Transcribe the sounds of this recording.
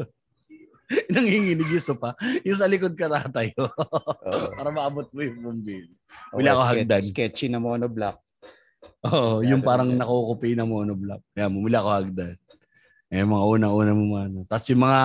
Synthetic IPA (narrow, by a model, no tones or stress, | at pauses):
nɐŋhɪŋɪnɪɡɪsʊpɐjʊŋs̬ɐlɪkod̪̚kɐt̪aːt̪ɐjo | ppaːɾɐmɐʔɐbot̪̚mojʊŋpʊmbin | mɪlakoɦad̪ankɛt͡ʃɪnɐmoːnoblap̚ | ʔoːʔojʊŋpaːɾɐŋnɐkɐʔokʊpɪnɐmoːnoblap̚ɐjamomɪlaɐkohaɡ̚d̪an | ɛmɐŋaʔuːnɐʔuːnɐmʊmɐnot̪asjʊŋmɐŋa